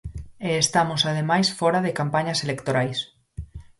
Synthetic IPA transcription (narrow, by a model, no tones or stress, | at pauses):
eːst̪amosað̞emajsfoɾaðekampaɲaselekt̪oɾajs